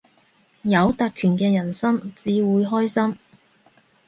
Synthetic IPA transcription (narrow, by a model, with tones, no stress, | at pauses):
jɐ˨˧wt̪a˨˧t̚kʰyː˨˩nkɛː˧jɐ˨˩nsɐ˥mt͡siː˨˧wuː˨˧˥jɦɔː˥jsɐ˥m